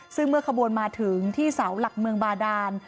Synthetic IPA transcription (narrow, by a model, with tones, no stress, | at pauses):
sɯ˥˩ŋmɯ˥˩kʰa˧bu˨˩ənmaː˧t̪ʰɯ˩˦ŋt̪ʰiː˥˩sa˩˦wla˨˩k̚mɯ˧əŋbaː˧daː˧n